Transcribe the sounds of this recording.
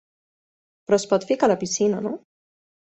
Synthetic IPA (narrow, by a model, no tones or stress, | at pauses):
pɾɔspɔt̪fikalapisinano